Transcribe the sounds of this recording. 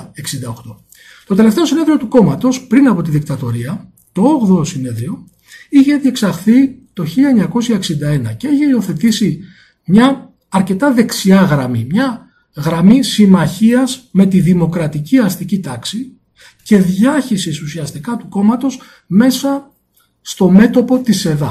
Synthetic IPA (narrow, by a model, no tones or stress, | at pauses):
e̞ksind̪ɐoxt̪o̞ | t̪o̞t̪e̞le̞ft̪eosine̞ðɾio̞t̪uko̞mɐt̪o̞spɾinɐpo̞t̪iðik̚t̪ɐt̪o̞̰ɾiɐ | t̪o̞oɣðosine̞ðɾio̞ | içe̞ðieksɐxθit̪o̞çiʎɐeɲɐko̞sçɐeksind̪ɐe̞nɐ̰ce̞içe̞io̞θe̞t̪isi | mɲɐː | ɾce̞t̪ɐðe̞ksiɐɣɾɐmḭmɲɐ | ɣɾɐmisimɐçiɐzme̞t̪iðimo̞kɾɐt̪iciɐst̪icit̪ɐksi | ce̞ðʝɐçisesusiɐst̪ikɐt̪uko̞mɐt̪o̞s | me̞sɐ | st̪o̞me̞t̪o̞po̞t̪ise̞ðɐ̰